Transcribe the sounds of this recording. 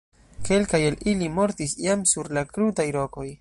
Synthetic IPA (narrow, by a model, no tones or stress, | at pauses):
ke̞lkajelilimo̞ɾtisjamsuɾlakɾutajlo̞ko̞j